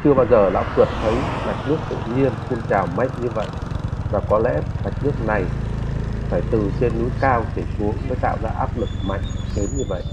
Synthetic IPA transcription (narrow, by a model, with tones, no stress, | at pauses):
t͡ɕɨ˧əɓaː˧wzəː˨˩la̰ː˧˥wvɨ˨˩ət̚t̪ʰə˨˦jma˨˩k̚nɨ˦˥ək̚t̪ɨ̰˧˨ɲi˧ənxu˧ŋt͡ɕaː˨˩wma˨˥jŋ̟̚ɲɨ˧və̰˧˨jʔvaː˨˩kɔ˨˦lɛ̰˧˥a˨˩k̟̚nɨ˦˥ək̚na˨˩j | faː˧˩jt̪ɨ˨˩t͡ɕe˧nːu˨˦jkaː˧wɗe˧˩su˨˦əŋməː˨˦jt̪a̰ː˧˨wzaː˧ʔaː˦˥p̚lɨ˨˩k̚ma̰˧˨jŋ̟t̪ʰe˨˦nɲɨ˧və̰˧˨jʔ